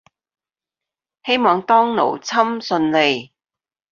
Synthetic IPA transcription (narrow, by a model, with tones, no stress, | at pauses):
he˥jmɔː˨˧ŋt̪ɔː˥ŋno̰˨˩wt͡sʰɐ˥msɵ˧nle˨˧j